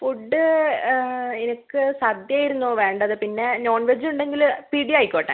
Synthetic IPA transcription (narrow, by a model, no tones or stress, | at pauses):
fuɖːɨ | enikːɨsɐd̪jaːjiɾunːoːʋe̞ːɳɖɐðɨpinːe̞no̞ːɳʋed͡ʑuɳɖe̞ŋɡilpiɽiajkʲːoːʈːa̰ː